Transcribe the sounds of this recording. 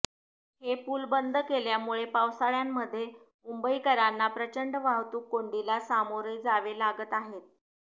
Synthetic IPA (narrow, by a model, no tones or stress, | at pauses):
hepuːlbənd̪ʱkeljamuɭepawsaɭjamːəd̪ʱːje | mumbəikəɾanːapɾət͡ɕəɳɖʋaɦt̪uːkːoɳɖilasamoɾəjd͡zaʋelaɡət̪aɦet̪̚